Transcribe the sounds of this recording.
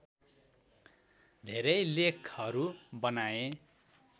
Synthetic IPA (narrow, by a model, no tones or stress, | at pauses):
d̪ʱeɾʌjlekʰʌɾubʌnae